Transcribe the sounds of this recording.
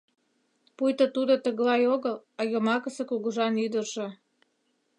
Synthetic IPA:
pujt̪ət̪ud̪ot̪ə̆ɣlɑjoɣəlɑjəmɑkəsə̆kuɣuʒɑnyd̪ərʒe̽

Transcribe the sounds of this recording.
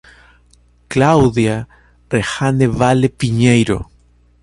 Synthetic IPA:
klawðja | rexaneβalepiɲejɾo̰

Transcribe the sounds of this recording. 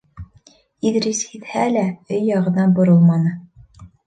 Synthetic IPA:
iðɾishit̪hælæɵjːɑʁɤ̆nɑnbŏɾɤlˠmɑnɤ

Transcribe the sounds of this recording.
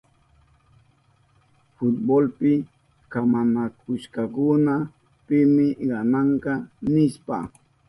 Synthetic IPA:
fʊt̪̚bolpɪ | kamanakʰʊʃkɑkʊna | pɪmɪɢɑnɑɴqɑnɪʃpa̰

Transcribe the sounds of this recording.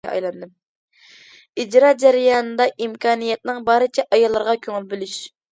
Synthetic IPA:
ɛ̰ɑ̰jlˠɑnd̪ɨm | id͡ʒɾɑd͡ʒæɾɪjɑːnɨd̪ɑʔimkʲʰɑːnijɛt̪̚nɪŋbɑːɾɨt͡ʃʰɛʔɑjɑlˠːɨɾʁɑkʲʰøŋɪlbɪlyʃ

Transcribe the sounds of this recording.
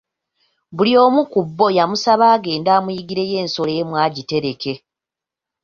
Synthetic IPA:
βulio̞ːmukubːo̞jamusaβaːɡe̞ːndaːmujiɡiɾe̞je̞ːnso̞le̞ːmwaːɟite̞ɾe̞ke̞

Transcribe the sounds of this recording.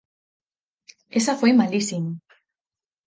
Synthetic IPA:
esaxemalisin

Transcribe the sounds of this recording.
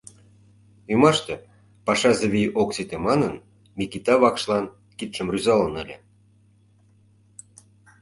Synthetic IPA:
ymɑʃt̪e | pɑʃɑzeβʲijʔoksit̪emɑnən | mʲikit̪ɑβɑkʃlɑn | kit̪ʃə̆mryzɑlənə̆lʲḛ̆

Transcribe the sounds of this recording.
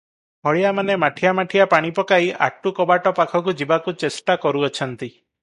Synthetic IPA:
ɦɔɭijamanemaʈʰiamaʈʰijapaɽ̃ipɔkaiʔa̰ʈukɔbaʈɔpakʰɔk̬ud͡ʒibakut͡ʃesʈakɔɾuɔt͡ʃʰɔnt̪i

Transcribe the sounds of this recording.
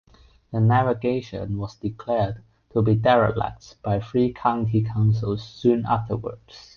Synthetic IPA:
ðənævəɡeɪʃə̰̃nwɔzdɪkʰl̥ɛɹd | tʰəbidɛɹə̰læ̰k̚sb̥aɪfɹikʰãʊ̃ntʰikʰãʊ̃nsəl̩ˠz̥sũna̰ftʰəwə̰˞ds

